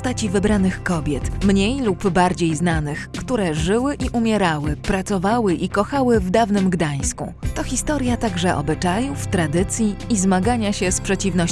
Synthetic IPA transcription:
st̪at͡ɕivɘbɾanɘxkɔbʲjɛt̪mɲejlubbaɾd͡ʑejznanɘxkt̪uɾɛʐɘwɘʔiʔumʲjɛɾawɘpɾat̪sɔvawɘʔikɔxawɘvd̪avnɘmɡd̪aj̃skṵt̪ɔxʲist̪ɔɾjat̪aɡʐɛʔɔ̰bɘt͡ʂajuft̪ɾad̪ɘt̪sʲjiːzmaɡaɲaɕɛspʂɛt͡ɕivnɔ

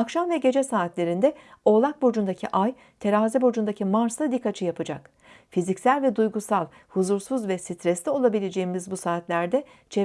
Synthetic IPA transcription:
akʃamvɛɟe̞d͡ʒɛsaːt̪lʲe̞ɾind̪ɛo̞lˠak̚bo̞d͡ʒund̪acʰiʔaj | t̪ʰe̞ɾaːzɛbo̞d͡ʒund̪acʰimaɾst̪ad̪ikːat͡ʃʰɯjapʰɯd͡ʒak | fizicsælʲvɛd̪ujɡusalˠ | huzuɾsuzvɛsit̪ʰɾɛslʲio̞lˠabilʲed͡ʒejimizbusaːt̪lʲæɾd̪ɛ | t͡ʃʰɛ

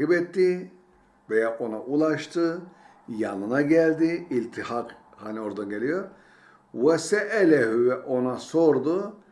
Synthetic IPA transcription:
ibɛt̪ːi | vejaʔo̞naʔulˠaʃt̪ʰɯ | janɯnaɟɛlʲd̪iilʲt̪ʰihaq | hanio̞ɾd̪anɟelʲijo̞ɾ | wɛsɛʔɛlʲɛɦyɛʔo̞naso̞ɾd̪u

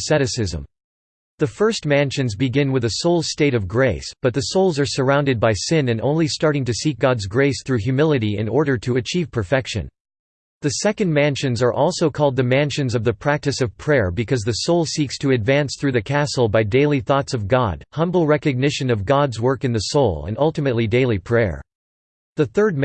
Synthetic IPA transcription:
sɛɾɨsɪzə̰̃m | ðɨfɜ˞st̚mæ̃nʃɨ̃nzbɨɡɪ̃nwɨðɨsoʊlˠsteɪɾʌvɡɹeɪsb̥ʌt̪̚ðɨsoʊlˠzə˞sə˞ãʊ̃ndɨd̚baɪsɪ̃nɨ̃nõ̰ʊ̃nlistɑɹɾɪ̃ŋtɨsik̚ɡ̥ɑdzɡɹeɪsθɹʉɦjʉmɪlˠɨɾiɪ̰̃nɔɹɾə˞ɾɨɨt͡ʃʰiv̥pʰə˞fɛkʃɨ̰̃n | ðɨsɛkɨ̃nmæ̃nʃɨ̃nzə˞ʔɔlˠsoʊkʰɔlˠd̪̚ðɨmæ̃nʃɨ̃nzʌvðɨpʰɹ̥æk̚tɨsʌv̥pʰɹ̥ɛɹbɨkʰʌzðɨsoʊlˠsikstʰɨɨdvæ̃nsθɹʉðɨkʰæsl̩ˠbaɪdeɪlˠiθɔtsʌvɡɑ̰d̥̚hʌ̃mbl̩ˠɹɛkɨɡ̚nɪʃɨ̃nʌvɡɑdzwɜ˞kɨ̃nðɨsoʊlˠə̰̃nʌlˠtɨmɨtˡlideɪlˠipʰɹ̥ɛ̰ɹ | ðɨθɜ˞d̚m

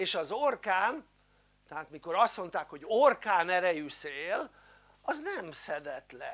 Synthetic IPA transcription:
eːʃɒzorkaːn | t̪ɛaːt̪miko̞ɾɒst̪mo̞nt̪aːkho̞ɟorkaːnɛɾɛjyseːl | ɒznɛmsɛd̪ɛt̪lɛ

